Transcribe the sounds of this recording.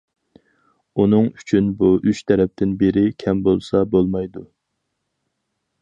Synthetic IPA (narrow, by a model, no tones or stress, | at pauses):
unɨŋyt͡ʃʰynbuʔyt͡ʃt̪ʰɛɾɛp̚t̪ʰɪnbeɾɪkʲʰɛmbolˠsɑbolˠmɑjd̪u